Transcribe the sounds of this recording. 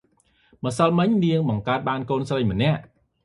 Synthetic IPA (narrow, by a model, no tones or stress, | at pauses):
mə̆səlmɨɲniəŋɓɑŋkaət̪̚ɓaːnkoːnsrəjmə̆nɛ̆əʔ